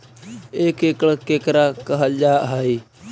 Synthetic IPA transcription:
eːkeːkɭkeːkɾaːkəɦəld͡ʒaːʔɦai

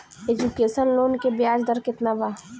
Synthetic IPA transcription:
ed͡ʒukesəlːoːnkebɪjaːd͡ʒd̪əɾkɪt̪nabaː

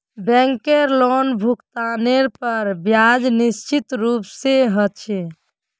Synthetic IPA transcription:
bɛ̃ŋkeɾlonbʱukt̪aneɾpəɾbjad͡ʒnist͡ʃit̪ɾupseɦət͡ʃʰɛ

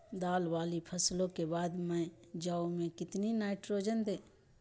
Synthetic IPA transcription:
d̪aːlwaːlipʰəslõkebaːd̪mɛ̃ | d͡ʒaːũmẽkɪt̪ninaːɪʈɾoːd͡ʒənd̪eː

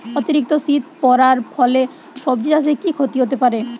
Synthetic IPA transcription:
ot̪iɾik̚t̪oʃit̪̚pɔɾaɾfʰɔle | ʃɔbd͡ʑias̬ekikʰot̪iɦot̪epaɾe

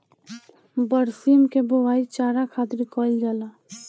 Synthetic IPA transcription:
bəɾsiːmkebowaːit͡ʃaːɾakʰaːt̪ɾikɔːɪld͡ʒaːlaː

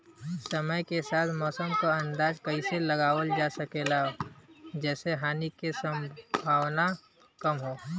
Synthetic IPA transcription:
səməjkesaːt̪ʰmɔːsəmkoɐ̃nd̪aːd͡ʒkɐiseləɡaːwəld͡ʒaːsəkelaɦod͡ʒɛːseɦaːnikesə̃mbʱaːwna | kɐmɦoː

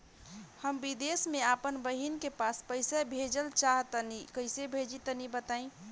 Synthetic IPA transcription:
həmbid̪esmẽapənbəɦinkepaspəɪsabʱed͡ʒəlt͡ʃaɦt̪ənikəɪsebʱed͡ʒit̪ənibət̪aĩ

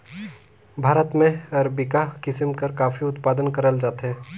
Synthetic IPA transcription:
bʱaːɾət̪mẽɐɾəbɪkakɪsəmkɐɾkaːfiʊt̪paːd̪ənkɐɾəld͡ʒaːt̪ɦɛː

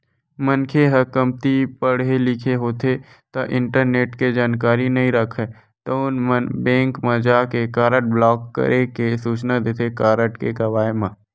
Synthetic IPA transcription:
mənkʰeɦɐkəmt̪ipəɽelɪkʰeɦoːt̪ʰe | t̪ɐʔɪ̃ɳʈəɾneːʈked͡ʒaːnkaːɾinɐɦĩɾɐkʰɛ | t̪oʊnmənbɛ̃ːŋkmɐd͡ʒaːkekaːɾəʈ̚blɔːkːə̰ɾʔekesuːt͡ʃnad̪eːt̪ʰekaːɾəʈkekɐʋaːemã

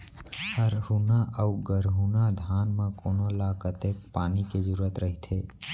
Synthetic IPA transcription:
həɾhunaʔʔəuɡəɾɦunad̪ʱaːnmẽkoːnolakət̪eːkpaːniked͡ʒəɾuɾət̪ɾəɦit̪ʰeː

